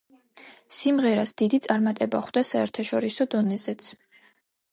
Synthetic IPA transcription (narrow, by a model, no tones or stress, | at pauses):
simʁɛɾasd̪̥id̪it̪sʼaɾmat̪ʼɛbaχwd̪asaɛɾt̪ʰaʃɔɾisɔd̪ɔnɛzɛt̪sʰ